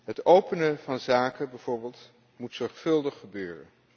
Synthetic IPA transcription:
ɦətowpənəvɑnzaːkəbɛjv̥ʊːɹbeːlˠt | mutsɔɹχfɵlˠdəχːəbøːrə̰n

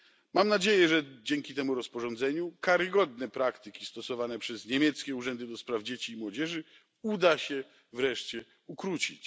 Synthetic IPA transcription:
mamnad͡ʑejɛʐɛd͡ʑɛŋkʲit̪ɛmuɾɔspɔʐɔnd̪zɛɲukaɾɘɡɔd̪nɛpɾakt̪ɘkʲist̪ɔsɔvanɛpʂɛzɲemʲjɛt̪skʲɛuʐɛnd̪ɘd̪ɔspɾavd͡ʑet͡ɕiːmwɔd͡ʑɛʐɘ | ud̪aɕɛ | vɾɛʂt͡ɕɛ | ukɾut͡ɕit͡ɕ

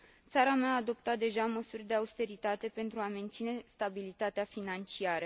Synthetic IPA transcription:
t̪saɾameaːd̪o̞p̚t̪at̪̚d̪e̞ʒaməsurʲd̪e̞aust̪e̞ɾit̪at̪e̞pe̞nt̪ɾuame̞nt̪sine̞st̪abilit̪at̪eafinant͡ʃiaɾə

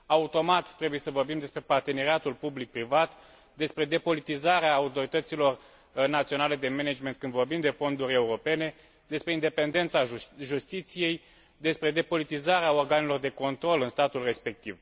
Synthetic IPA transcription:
aut̪o̞mat̪ːɾe̞buje̞səvo̞rbimd̪e̞spɾe̞part̪e̞neɾiat̪ulpublik̚pɾivat̪ | d̪e̞spɾe̞d̪e̞po̞lit̪izaɾeaːut̪o̞ɾit̪ət̪silo̞r | nat̪sio̞nale̞d̪e̞mened͡ʒme̞nt̪kɨnd̪vo̞rbimd̪e̞fo̞nd̪uɾʲe̞uɾo̞pe̞ne̞ | d̪e̞spɾe̞ind̪epe̞nd̪e̞nt̪saʒust̪it̪sije̞j | d̪e̞spɾe̞d̪e̞po̞lit̪izaɾeao̞rɡanilo̞rd̪e̞ko̞nt̪ɾo̞lɨnst̪at̪ulre̞spe̞k̚t̪iv

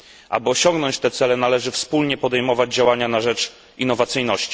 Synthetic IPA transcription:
ʔa̰bɘɔɕɔŋɡnɔɲt͡ɕt̪ɛt̪sɛlɛnalɛʐɘfspulɲɛpɔd̪ɛjmɔvad͡ʑd͡ʑawaɲanaʐɛt͡ʂ | ʔinːɔvat̪sɘjnɔɕt͡ɕi̥

